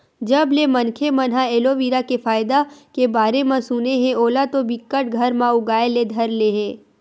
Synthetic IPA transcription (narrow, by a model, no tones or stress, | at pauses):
d͡ʒɐblemɐnkʰemɐnɦaeːloʋiːɾakefaːjɪd̪akebaːɾemãsuneɦɛ̃oːlat̪obɪkːəʈ̚ɡʱɐɾmãʊɡaːeled̪ʱɐɾleɦɛ̃ː